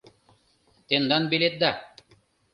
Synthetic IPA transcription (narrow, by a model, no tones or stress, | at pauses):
t̪end̪ɑnbelʲet̪̚d̪a